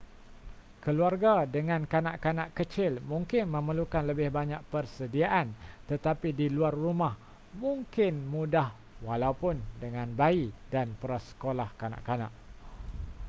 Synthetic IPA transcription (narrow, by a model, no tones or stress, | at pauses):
kəluarɡadəŋãnkana̰ʔkanaʔkət͡ʃɪlmũŋkɪnmə̃məlukanləbɪhbaɲaʔ̚pərsədiaʔant̪ət̪apidiluarːumah | mũŋkɪnmũdah | walaupʊndəŋãnbaidanpəɾasə̥kolahkana̰ʔkana̰ʔ